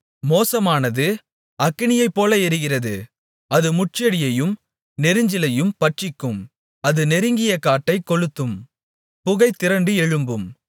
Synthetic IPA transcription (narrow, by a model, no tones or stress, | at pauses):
moːsɐmaːnɐðɯ | ɐkːɪɳɪjɐɪpːoːlɐɛɾɯɣɪrɐðɯ | ɐðɯmʊʈ̚t͡ʃɐɽɪjɐjɯm | nɛɾɯɲd͡ʒɪlɐjɯmpɐʈt͡ʃɪkːɯm | ɐðɯnɛɾɯŋɡɪjɐkaːʈːɐɪkːɔɻɯt̪ːɯm | pʊɣɐɪt̪ːɪɾɐɳɖɯɛɻɯmbɯm